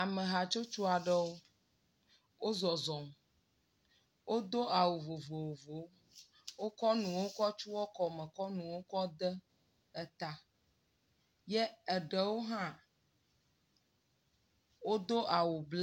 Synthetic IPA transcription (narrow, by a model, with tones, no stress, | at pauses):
a˨mə̃˨ɦa˨t͡ʃo˦t͡ʃu˦a˨ɖə˦wo˦ | wo˦zɔ˨zɔ˨m | wʔo˦d̪o˦a˨wo˨vo˨vo˨wo˨vo˨˦ | wo˦kɔ˦nũ˨wo˦kɔ˦t͡ʃu˦wɔ˦kɔ˨mɛ˨kɔ˦nũ˨wo˦kɔ˦d̪ə˦ | ɛ˨t̪a˦ | jɛ˦ə˨ɖə˨wo˦ɦã˦ | wo˦d̪o˦ʔa˨wo˨bl